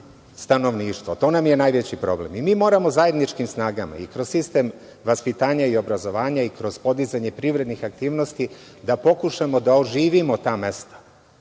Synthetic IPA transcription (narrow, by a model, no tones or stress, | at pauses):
st̪ano̞ʋniːʃt̪ʋo̰t̪o̞ːnamje̞najʋet͡ɕipɾo̞̰blḛmimiːmo̞ːɾamo̞zaje̞d̪nit͡ʃkimsnaːɡama̰ikɾossist̪em | ʋaspit̪aːɲaio̞bɾazo̞ʋaːɲaikɾo̞z̥po̞d̪izaɲe̞pɾiʋɾe̞d̪nixak̚t̪iːʋno̞st̪i | d̪apo̞kuʃamo̞d̪aoʒiːʋimo̞t̪aːme̞st̪ḁ